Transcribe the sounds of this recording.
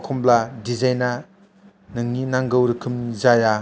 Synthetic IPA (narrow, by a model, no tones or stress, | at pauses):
kʰɔmbladizajna | nɯŋninaŋɡɯwɾɯkʰɯmzaja